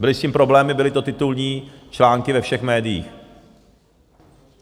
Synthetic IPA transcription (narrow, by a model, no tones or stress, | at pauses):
bɪlɪsciːmpɾo̞blɛːmɪbɪlɪt̪o̞t̪ɪt̪ulɲiːt͡ʃlaːŋkɪvɛfʃɛxmɛːdɪjḭːx